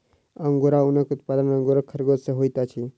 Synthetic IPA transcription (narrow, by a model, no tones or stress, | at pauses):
əŋɡoɾaunəkut̪pad̪ənəŋɡoɾakʰəɾɡot̪seɦojt̪at͡ʃʰi